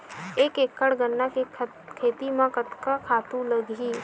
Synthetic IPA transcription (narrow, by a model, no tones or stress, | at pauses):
eːkeːkːəɽɡənːake | kʰeːt̪imãkət̪kakʰaːt̪ũləɡiː